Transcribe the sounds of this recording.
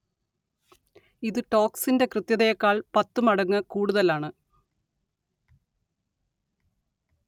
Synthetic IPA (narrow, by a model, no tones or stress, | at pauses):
iðɨʈo̞ːksinde̞krɨt̪jɐðɐjɐkːaːɭpɐt̪ːumɐɽɐŋːɐkuːɽuðɐlaːɳɨ